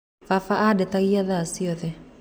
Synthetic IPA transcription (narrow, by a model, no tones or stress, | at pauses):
fafaʔadɛtaɣiaðasiɔðɛ